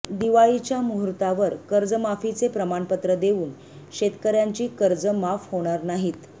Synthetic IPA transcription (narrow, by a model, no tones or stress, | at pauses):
d̪iʋait͡ɕjamuɦɾt̪aʋəɾkəɾd͡zəmafit͡sepɾəmaɳpət̪ɾəd̪euːn | ɕet̪kəɾjaɲt͡ɕiːkəɾd͡zəmafhoɽ̃aɾnaɦiːt̪